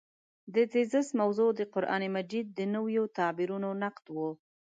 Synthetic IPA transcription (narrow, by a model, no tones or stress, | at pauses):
d̪ət̪ezəsmawzod̪əqʊɾʔɑ̰nimad͡ʒid̪̚ːənəwjot̪ɑbiɾunonaqd̪wo